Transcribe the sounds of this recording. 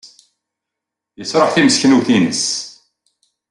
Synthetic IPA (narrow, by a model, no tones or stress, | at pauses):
jəsɾˤɑħθiməskənuθinəs